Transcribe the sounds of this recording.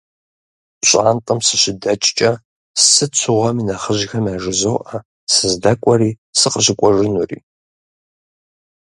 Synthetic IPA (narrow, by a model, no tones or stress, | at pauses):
ɕʼaːntʼɐmsɨɕɪdɐt͡ʃʼt͡ʃʼɐ | sɨt͡ɕʷʰɨʁʷɐminɐχəʑxɐmaːʒɨzowʔɐ | sɨzdɐkʷʼɔɾiː | sɨqəʑɪkʷʼɔʒɪnurḭː